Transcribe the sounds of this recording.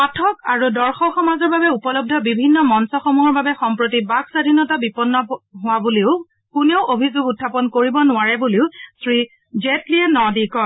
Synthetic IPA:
patʰɔkaɹudɔɹxɔxɔmazɔɹbabɛupɔlɔb̚dʱɔbibʱinːɔmɔnsɔxɔmuɦɔɹbabɛxɔmpɹotibaɡsadʱinɔtabipɔnːɔɦʊwabuliʊ | kuneʊʔobʱizʊɡutʰːapɔnkoɹibɔnʊwaɹɛbuliʊsɹi | zetliɛnɔdikɔ

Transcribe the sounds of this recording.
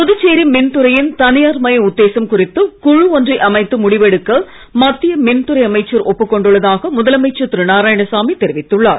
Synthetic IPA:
pɔðɯt͡ʃːeːɾimɪnt̪ɯɾɐjɪnt̪ɐnɪjaːɾmɐjɐʊd̪ːeːsɐmkʊrɪt̪ːɯkʊɻɯɔndrɐɪʔɐmɐɪt̪ːɯmʊɽɪʋɛɽɯkːɐ | mɐt̪ːɪjɐmɪnt̪ɯɾɐɪɐmɐɪt͡ʃːɐɾʔɔpːɯkːɔɳɖɯɭːɐðaːɣɐmʊðɐlɐmɐɪt͡ʃːɐt̪ɪɾɯnaːɾaːjɐɳɐsaːmit̪ɛɾɪʋɪt̪ːɯɭːaːɾ

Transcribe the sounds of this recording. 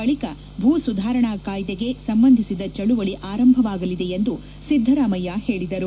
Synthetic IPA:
ɐɭikɐ | bʱuːsud̪ʱaːɾɐɳaːkaːjd̪eɡe̞sɐmbɐnd̪ʱisid̪ɐt͡ʃɐɭuʋɐɭiʔaːɾɐmbʱɐʋaːɡɐlid̪e̞end̪u | sid̪ʱːɐɾaːmɐjahe̞ːɭid̪ɐɾu

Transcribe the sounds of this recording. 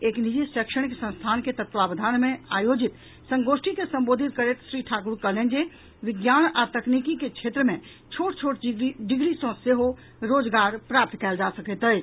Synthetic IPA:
eknid͡ʒisəkʃəɽkesə̃nst̪ʰanket̪ət̪ʋabəd̪ʱanmeajod͡ʒit̪ | səŋɡosʈʰikesə̃mbod̪ʱit̪̚kəɾet̪sɾiʈʰakuɾkəlend͡ʒe | ʋiɡjanat̪əknikiket͡ʃʰet̪ɾəmẽ | t͡ʃʰoʈt͡ʃʰoʈɖiɡɾisɔ̃seɦo | ɾod͡ʒɡaɾpɾap̚t̪kɛɪld͡ʒasəkɛt̪ɦəjt͡ʃ

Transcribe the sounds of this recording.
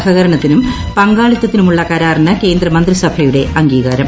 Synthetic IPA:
hʰɐɣɐɾɐɳɐt̪ːinum | pɐŋɡaːɭit̪ːɐt̪ːinumuɭːɐkɐɾaːrnɐke̞ːnd̪rɐmɐnd̪risɐbʱɐjuɽe̞ʔɐŋɡiːɣɐɾɐm

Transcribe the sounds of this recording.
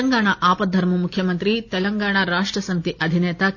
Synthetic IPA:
ɐŋɡaːɳɐʔaːpɐd̪ʱɐɾmumukʰjɐmɐnt̪ɾit̪ɛlɐŋɡaːɳ̃ɐɾaːʂʈɾɐsɐmit̪iʔɐd̪ʱinɛːt̪ɐ

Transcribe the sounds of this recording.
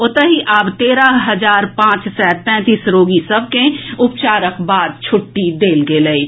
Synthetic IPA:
ʊt̪əɦiʔaːbt̪eːɾaɦəd͡ʒaːɾpãːt͡ʃsɛːt̪̚pɛ̃ːt̪iːsɾoːɡisɐb̚kẽʊpt͡ʃaːɾəkbaːd̪̚t͡ʃʰʊʈːid̪eːlɡelei

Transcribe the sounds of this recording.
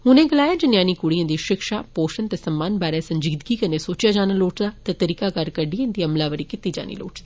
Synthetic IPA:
hʊnẽːɡəlaːjaːd͡ʒɪnjaːniːkʊɽijãːd̪iːʃɪkʃa̰ːpoːʃənt̪eːsəmːaːnbaːɾɛːsəɲd͡ʒiɡd̪ɡiːkənẽːsoːt͡ʃjaːd͡ʒaːnaloːʈd̪aːt̪eːt̪əɾiːkaːkəɾkəɖiãːnd̪iːəmlaːʋəɾiːkɪt̪iːd͡ʒa̰ːnḭːlo̰ːʈd̪iː

